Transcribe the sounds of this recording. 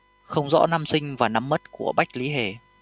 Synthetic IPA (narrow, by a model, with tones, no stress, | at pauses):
xə˧wŋ͡mzɔ̰˧˥na˧msï˧ŋ̟vaː˨˩na˨˧mːə˦˥t̚ku˧˩əɓa˦˥jk̟̚li˨˦ɦe˨˩